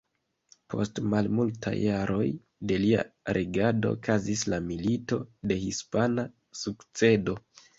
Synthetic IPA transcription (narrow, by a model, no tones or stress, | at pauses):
pʰo̞̰stmalmultʰa̰jːaɾo̞j | de̞lia̰ɾʔeɡado̞̰ːkʰazislamilito̞de̞hispana | sukt͡se̞do̞